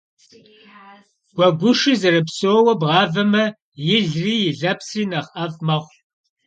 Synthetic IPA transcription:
ɡ̥ʷɔɡʷʊʂɨzɨrɨpsoːwɐbʁɑːvɐmɐ | jɪɮriːjɪɮɐpsriːnɐʁʔɐvmɐχʷ

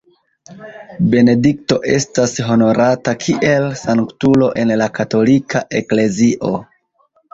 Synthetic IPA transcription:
be̞ne̞dikto̞ʔe̞stasɦo̞no̞ɾʔatakʰiʔe̞lsaŋktulo̞ʔe̞nlakato̞likʰaʔe̞kle̞ziʔo̞̰

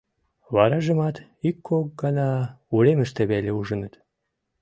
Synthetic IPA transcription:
βɑɾɑʒə̆mɑt̪ikːok̚ɡɑnɑuɾeməʃt̪eβælʲeuʒə̆nət̪

